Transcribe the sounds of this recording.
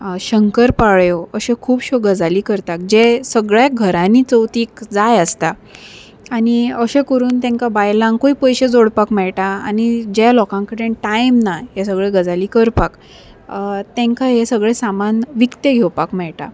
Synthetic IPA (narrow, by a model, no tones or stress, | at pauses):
ɕəŋkəɾpaɭjoəɕẽkʰuːbɕoɡəd͡zaliːkəɾt̪ak̚d͡ʑesəɡɭjaɡʱəɾãniːt͡səwt̪iːkd͡zajəst̪a | aniəɕẽkəɾuːnt̪ɛ̃ŋkabajlãŋkoipəjɕed͡zoɽpakmɛɭʈaanid͡ʑalɔkãŋkəɽẽʈajmnaɦesəɡɭeɡəd͡zaliːkəɾpak | t̪ɛ̃ŋkaɦesəɡɭesamanʋikt̪eɡʱewpakmɛɭʈa̰